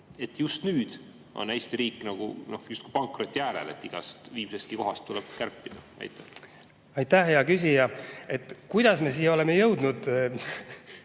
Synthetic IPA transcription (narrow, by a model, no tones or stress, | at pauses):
e̞t̪ːˑjust̪nyːd̪̥ | ʔo̞̰næjst̪iɾiːkːˑnɑɡ̥ṵno̞hjust̪ku̥ijpɑŋkro̞t̪ʲːijæːɾḛle̞̰t̪ːiɡ̥ɑ̰st̪viːmsest̪̚kiko̞ɦɑst̪ːulɛb̥̚kærpːid̪̥ɑ | ɑ̰jt̪ːˑæ | ɑjt̪ːæhjɑkysʲijɑe̞t̪ːˑkujd̪̥ɑsme̞s̬ijeo̞lemejɤwd̪̥nud̪̥